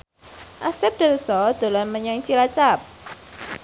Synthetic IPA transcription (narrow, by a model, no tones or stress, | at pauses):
ʔasɪp̚d̪̥ə̤lsɔd̪̥o̤lɔnməɲaŋt͡ʃilat͡ʃap̚